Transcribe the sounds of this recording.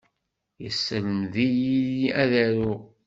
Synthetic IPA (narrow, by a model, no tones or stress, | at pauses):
jəsːələmðijijiæðæɾu